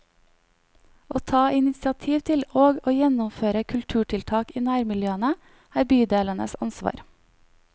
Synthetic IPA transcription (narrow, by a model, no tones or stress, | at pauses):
ʔoːt̪ʰɑːʔɪnɪsɑt̪ʰiːʋt̪ʰɪloːɡoːjɛnʊmføːɾəkʰʉlt̪ʰʉːʈʰɪlt̪ʰɑːkiːnæːɾmɪljøːənə | æːɾbyːd̪eːlənə̰sɑnsʋɑ̰ːɾ